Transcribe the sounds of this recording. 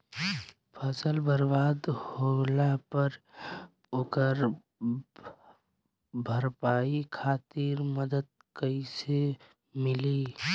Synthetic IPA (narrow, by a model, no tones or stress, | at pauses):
pʰəsəlbəɾbaːd̪holapəɾ | okəɾ | bʱəɾpaːikʰaːt̪iɾməd̪əd̪̚ | kəise | mɪli